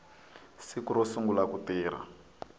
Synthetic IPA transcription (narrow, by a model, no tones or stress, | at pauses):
sikuɾɔsuŋɡulakutiːɾ̤a̰